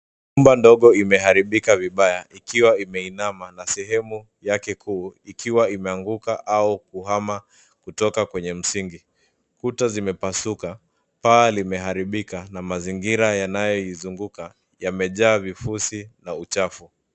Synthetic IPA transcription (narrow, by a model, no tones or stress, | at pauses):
ɲumbandɔɠɔimɛɦaɾiɓikaviɓajaʔikiwaimɛinamanasɛɦɛmu | jakɛkʰuːikiwaimɛaŋɡukaʔaukuɦama | kutɔkakwɛɲɛm̩siŋɡi | kutazimɛpasuka | paːlimɛɦaɾiɓikanamaziŋɡiɾajanajɔjizuŋɡuka | jamɛʄaːvifusinaut͡ʃafu